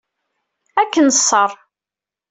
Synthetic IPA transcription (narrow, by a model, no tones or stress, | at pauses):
ækːənəsˤːəɾˤ